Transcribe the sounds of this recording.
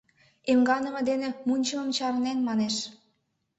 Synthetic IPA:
emɡɑnə̆mə̆d̪enĕmunʲt͡ɕəmə̆mt͡ɕɑɾnenmɑneʃ

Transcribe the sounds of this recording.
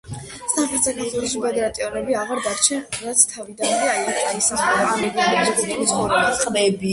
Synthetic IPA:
samχɛɾt̪sakʰaɾt̪ʰwɛlˠɔʃipʰɛd̪ɛɾat̪ʼiɔnɛbiaʁaɾd̪aɾt͡ʃʰɛnɾat̪sʰt̪ʰavid̪anɔɾiajand̪aisaχɛlaɛɡaɛd͡ʒɛkʼit̪ʰismɔɾɔbasqʼvɛbi

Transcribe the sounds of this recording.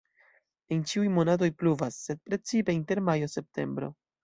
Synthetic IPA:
ent͡ʃiujmo̞nat̬o̞jpluvasːe̞d̚pɾe̞t͡sipe̞inte̞ɾmajo̞se̞p̚tʰe̞̰mbɾo̞̰

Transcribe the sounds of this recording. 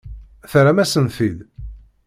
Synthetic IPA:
θɾæmæsənθið

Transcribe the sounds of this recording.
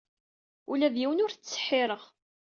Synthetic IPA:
ulæðjiwənʊɾθt͡sːə̥ħːɪɾˤəʁ

